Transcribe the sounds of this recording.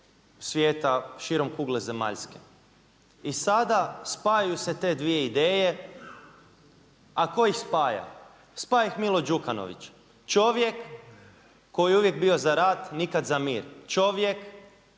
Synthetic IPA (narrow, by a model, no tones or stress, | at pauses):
sʋjeːt̪aʃiɾo̞mkuːɡleze̞ma̰ʎske | isad̪aspaːjajuse̞t̪e̞d̪ʋije̞id̪eːje̞ | ako̞ixspaːja̰ | spaːjaixmilˠod͡ʒukano̰ʋḭt͡ʃ | t͡ʃo̞ʋjekː | o̞juʋje̞k̚bio̞zaɾaːt̪nikad̪zamiːɾt͡ʃo̞ʋje̞k